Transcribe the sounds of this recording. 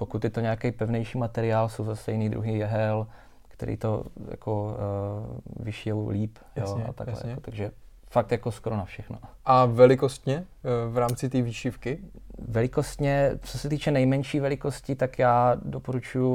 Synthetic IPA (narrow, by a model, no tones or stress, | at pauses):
pokut̪jɛt̪oɲɛakɛjpɛvnɛjʃiːmat̪ɛɾɪaːlso̞wzast̪ɛjɪniːd̪ɾṵɦijɛɦɛl | kt̪ɛ̰ɾʔḭːt̪o̞ja̰kʰo | vɪʃɪjɛwliːp | joa̰t̪a̰ɡlɛ̰jkot̪aɡʒɛfak̚t̪jakoskoɾo̞nafʃɛxno̰ʔavɛlɪkost̪ɲɛvɾaːmt͡sɪt̪̬iːviːʃɪfkɪvɛlɪkost̪ɲɛt͡sosɛt̪iːt͡ʃɛnɛjmɛnʃiːvɛlɪko̞scɪt̪akjaːdopo̞ɾut͡ʃuju